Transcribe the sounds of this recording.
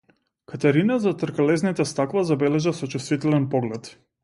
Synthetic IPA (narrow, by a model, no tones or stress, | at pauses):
kat̪ɛɾinazat̪ɾkalɛznit̪ɛst̪akvazabɛlɛʒasɔt͡ʃust̪vit̪ɛlɛnpɔɡlɛt̪